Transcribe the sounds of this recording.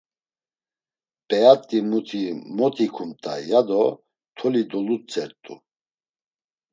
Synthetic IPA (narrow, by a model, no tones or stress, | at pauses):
pʼɛat̪ʼimut̪ʰimɔt̪ʰikʰumt̪ʼa̰jad̪ɔ | t̪ʰɔlid̪ɔlut͡sʼɛɾt̪ʼṵ